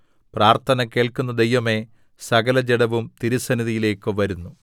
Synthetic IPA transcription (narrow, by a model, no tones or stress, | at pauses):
praːrt̪ʰɐnɐke̞ːɭkunːɐd̪ejʋɐme̞ | sɐɡɐlɐd͡ʑeɽɐʋumt̪iɾusɐniðijile̞ːkːɨʋɐɾunːu